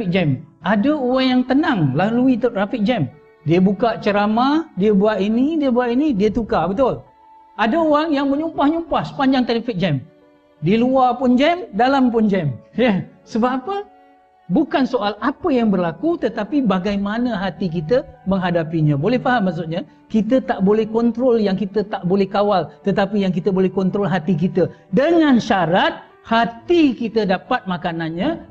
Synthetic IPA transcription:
ik̚d͡ʒɛmʔadəoaŋjaŋt̪ənaŋlaluit̪t̪ɾafik̚d͡ʒɛm | diəbukaʔt͡ʃəɾamadiəbuaʔinidiəbuaʔinidiət̪ukabət̪ʊl | adaoaŋjaŋməɲumpahɲumpahsə̥paɲd͡ʒaŋt̪ɾifik̚d͡ʒɛm | diəluapʊnd͡ʒɛmdalampʊnd͡ʒɛmjəsəbaapə | bukansoʔalapəjaŋbərlakut̪ət̪apibaɡajmanə̃ɦat̪ik̬it̪əməŋɦadapiɲãbolɛhfaɦamːaks̬ʊt̪̚ɲa | kit̪ət̪aʔbolɛhkɔnt̪ɾɔljaŋkit̪ət̪aʔbolɛhkawalt̪ət̪apijaŋkit̪əbolɛhkɔnt̪ɾɔlɦat̪ik̬it̪ədəŋãnʃaɾat̪̚ | hat̪ikit̪ədapat̪̚makananɲa

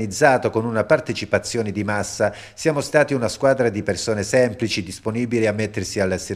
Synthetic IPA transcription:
nid̪zːaːt̪okonunapart̪et͡ʃipat̪sːjoːned̪imasːa | sjaːmost̪aːt̪iunaskwaːd̪ɾad̪ipersoːnesɛmplit͡ʃid̪isponiːbiliamːet̪ːersialːase

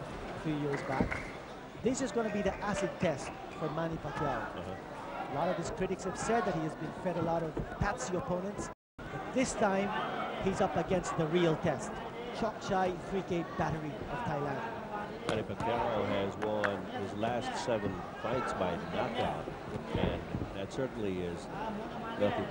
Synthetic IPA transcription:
fujɪɹzbæk | ðɪsɨzɡonəbiðiʔæsɨd̚tʰɛst | fə˞mænipakʰaɹohʌ | əlɔɾʌv̥ɨz̥kʰɹ̥ɪɾɨkshɨv̥sɛd̪̚ðɨt̚hiɨzbɨ̃nfɛɾəlɔɾʌv̥pʰætsiəpʰõʊ̃nə̃nts | b̥ʌt̪̚ðɪstʰãɪ̃mhizʌpɨɡɛ̃nst̪̚ðəɹilˠtʰɛst | t͡ʃʰɑk̚t͡ʃaɪθɹikẽɪt̚b̥æɾə˞i | ʌv̥tʰaɪlæ̃nd | mæ̃nipɨkʰæɹoɨzwʌ̃nɪzlæstsɛvɨ̃n | fãɪ̃ntsbaɪnət̚ɑ̰t | ɨ̰̃nðɨtsɜ˞ʔn̩liɪz | wɛlˠkɨ̃

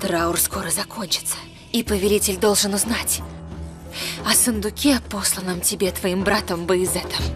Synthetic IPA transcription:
t̪ɾaʊrsko̞ɾəzɐkʰo̞nʲt͡ɕɪ̥t̪sə̥ | ipəvʲɪlʲitʲɪlʲd̪o̞lˠʐɨnʊznatʲ | ɐsənd̪ʊkʲepo̞slˠənəmtʲɪbʲet̪vɐimbɾat̪əmbɨɪzɛt̪əf

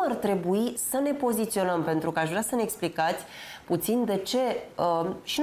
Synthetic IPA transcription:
art̪ɾe̞buisəne̞po̞zit̪sio̞nəmpe̞nt̪ɾukəaʃvɾʲasəneeksplikat̪sʲput̪sind̪e̞t͡ʃe̞əʃi

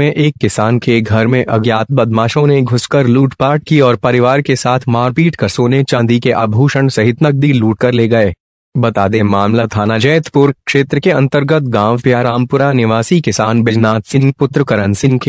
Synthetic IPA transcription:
ẽʔeːkːɪsaːnkeɡʱɐɾmẽʔɐɡjaːt̪̚bɐd̪maːʃõneɡʱʊskəɾluːʈpaːʈ̚kiɔːɾpɐɾɪʋaːɾkesaːt̪ʰmaːɾpiːʈkɐɾsoːnet͡ʃãːnd̪ikeʔabʱuːʃəɳsɐɦɪt̪nəɡ̚d̪iluːʈkɐɾleːɡɐeː | bɐt̪aːd̪emaːmlat̪ʰaːnad͡ʒɛːt̪ʰpʊɾkʃeːt̪ɾəkeɐ̃nt̪əɾɡət̪̚ɡãːʋpjaɾaːmpʊɾanɪʋaːsikɪsaːnbɪd͡ʒnaːt̪sɪ̃ŋɡ̚pʊt̪ɾəkɐɾənsɪ̃ŋɡke

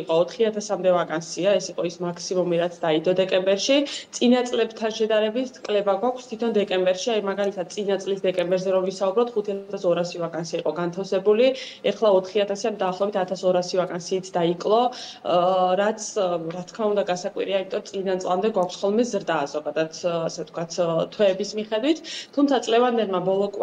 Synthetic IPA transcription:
qʼɔːt̪ʰχiat̪ʰasamd̪ɛvakʼansiaɛsiqʼɔismakʰsimumiɾat̪sʰd̪aid̪ɔd̪ɛkʼɛmbɛɾʃit̪sʼinat̪sʼlɛbt̪ʰanʃɛd̪aɾɛbit̪ʰkʼlɛbaɡwakʷʰst̪ʰit̪ʰɔnd̪ɛkʼɛmbɛɾʃiajmaɡalit̪ʰad̪̚t̪sʼinat̪sʼlisd̪ɛkʼɛmbɛɾzɛɾɔvisaubɾɔp̚t̪ʰχut̪ʰiat̪ʰasɔɾasivakʼansiaiqʼɔɡant̪ʰafsɛbuli | ɛχlˠaɔt̪ʰχiat̪ʰasiand̪aːχlˠɔɛbit̪ʰat̪ʰasɔɾasivakʼansiːt̪ʰd̪aikʼlˠɔ | ɾat̪sʰɾat̪ʰkʰmaund̪aɡasakʼwḭɾiaimit̪ʼɔɾɔt̪ʼlid̪ant̪sʼlˠamd̪ɛɡwakʷʰsχɔlˠmɛzɾd̪az̥ɔɡad̪at̪ʰasɛft̪ʰkwat̪ʰt̪ʰwɛːbismiχɛd̪wit̪ʰːumt̪ʰat̪sʼlɛvand̪ɛlˠmabɔlˠɔkʼ

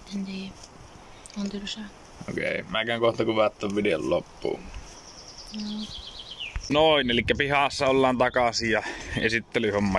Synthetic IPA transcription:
enniː | ont̪ylsɑ | o̰kḛˑimækæŋkoht̪ɑkuʋɑt̪ːoʋʋideo̰llopːṵː | no | noˑinelikːæpihɑsːɑolːɑːnt̪ɑkɑsijɑḛsit̪ːelyhomːɑ

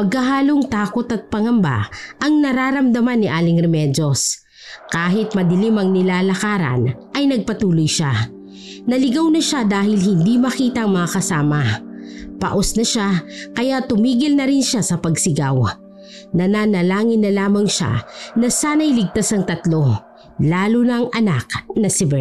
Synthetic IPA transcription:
pɐɡ̚kɐɦaːloŋt̪aːko̞t̪ɐt̪̚pɐŋɐmba̰ʔɐŋnɐɾaːɾɐmd̪ɐmanːɪʔaːlɪŋɾɛmɛd͡ʒos | kaːɦɪt̪̚mɐd̪ɪlimɐŋnɪlaːlɐkaːɾɐ̰nʔɐjnɐɡ̚pɐt̪uːlʊjʃa | nɐlɪɡawnɐʃad̪aːhɪlhɪnd̪imɐkiːt̪ɐŋmɐŋakɐsaːmɐ | pɐ̰ʔosnɐʃakɐjat̪ʊmiːɡɪlnɐɾɪnʃasɐpɐɡsɪɡaw | nɐnaːnɐlaːŋɪnːɐlaːmɐŋʃa̰nɐsaːnɐjlɪɡ̚t̪asɐŋt̪ɐt̪lo̞ | laːlʊnɐŋʔɐnak̚nɐsɪbɛ

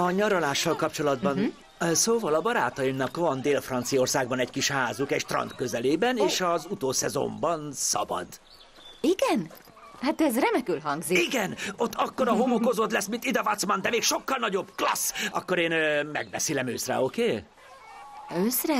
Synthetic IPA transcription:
ɒɲɒɾɒlaːʃːɒlkɒp̚t͡ʃo̞lɒd̪bɒn | soːvɒlɒbɒɾaːt̪ɒjimnɒkvɒnd̪eːlfrɒnt̪sijo̞rsaːɡ̚bɒnɛckiʃhaːzukɛɟt̪rɒ̰nt̪kø̞zɛleːbɛneːʃɒzut̪oːsɛ̰zo̰mbɒnsɒ̰bɒ̰d̪ | iɡɛn | hat̪ɛzrɛmɛkylɦɒŋɡziiɡɛno̞t̪ːɒkːo̞ɾɒɦo̞moko̞zoːt̪lɛsmint̪id̪ɛvɒt̪smɒnd̪ɛmeːkʃo̞kːɒlnɒɟo̞bklɒ̰sɒkːo̞ɾeːnmɛ̰ɡbɛ̰silɛmøːsrɛ̰o̞keː | øːsrɛ

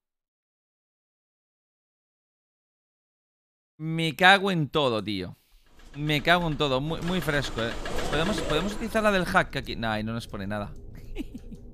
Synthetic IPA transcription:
mekaɣwent̪o̞ðot̪io̰ | mekaɣwent̪oðomumwijfɾe̞skoepoðemospoðemo̞s̬ut̪iliθaɾlaðe̞lxakːakinaainonosponenaða̰

